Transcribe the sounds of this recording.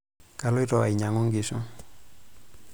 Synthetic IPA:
ka˦lɔ˦i˦ɾɔ˨a˨i˨ɲa˨ŋo˦ŋɡi˨su˦

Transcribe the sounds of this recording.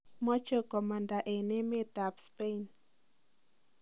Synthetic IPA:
mɔ˦t͡ʃo˦kɔ˨ma˨nda˨ʔe˨ne˦mɛ˦t̪a˨pspe˦in

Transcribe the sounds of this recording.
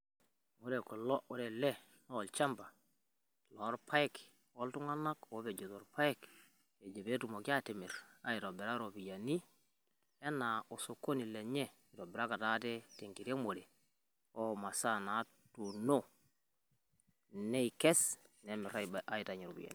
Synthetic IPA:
u˦ɾɛ˨kɔ˨lɔ˦u˦ɾɛ˨lɛ˦ | nɔ˦˨lt͡ʃa˦mba˨ | lɔ˨˦ɾpʰa˦jk | ɔ˦ltu˦ŋa˦na˦ko˨˦be˨d͡ʒo˨to˨ɾpa˦ɛ˦k | e˨d͡ʒe˨be˦tu˨mo˨ki˦a˦te˨mi˨ɾa̰˦i˨ɾo˨bɛ˨ɾa˦ɾo˨bi˨ja˨ni˦ | ɛ˦na˨o˨so˨kːo˦ni˨lɛ˨ɲɛ˦ | i˨ɾɔ˨bɛ˨ɾa˦ka˨ta˦tɛ˦te˨ŋɡi˨ɾe˦mo˨ɾe˨ | ɔ˦ma˨sa˦na˨˦ | tu˨no˦ | ne˦i˨kɛ˦snɛ˨mɛ˨ɾa˦ʔa˦i˨ta˨ɲi˨ɾo̰˨bḭ˨ja̰˨ni˨

